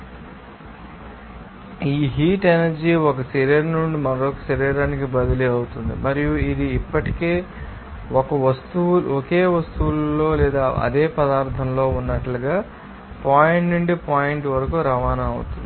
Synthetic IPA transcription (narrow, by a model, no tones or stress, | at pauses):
iːɦiːʈenɐɾd͡ʒiɔkɐsɐɾiːɾnuɳɖimɐɾoːkɐ̥sɐɾiːɾaːnikibɐd̪ɐliɐwut̪und̪ḭmɐɾijuid̪iːpːɐʈi̥ke̞ː | ɔkɐʋɐst̪uulɔke̞ːʋɐst̪uʋullo̞ːlɛːd̪aːɐ̰d̪eːpɐd̪aːɾt̪ʰɐmlo̞ːunːɐʈluɡaː | paːjiɳʈnuɳɖipaːjiɳʈʋɐɾɐkuɾɐʋaːnɐɐwṵt̪und̪i